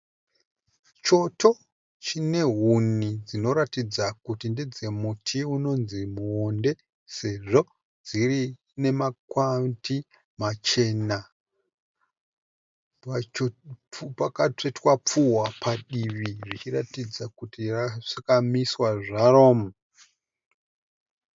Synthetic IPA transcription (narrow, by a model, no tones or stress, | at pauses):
t͡ʃo̞to̞ | t͡ʃine̞ɦunid͡zino̞ɾatid͡zakutinded͡ze̞mutʰiuno̞nzimuonde̞ | se̞ʐo̞ | d͡ziri | ne̞makwanti | mat͡ʃe̞na | pakat͡ʂe̞twap͡fuwapʰaɗiʋiʐit͡ʃiratid͡zakutiraakamiswaʐaro̞ːmu